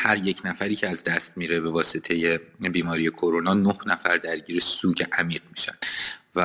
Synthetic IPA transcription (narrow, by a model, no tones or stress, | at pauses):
hæɾjecʰnæfæɾiːcʰeæzd̪æst̪̚miːɾebe̞vɒːse̞t̪ʰe̞je̞biːmɒːɾije̞kʰoɾonɒːnohnæfæɾd̪æɾɟiːɾesuːɟeʔæmiːɢmiʃænd̪̥væ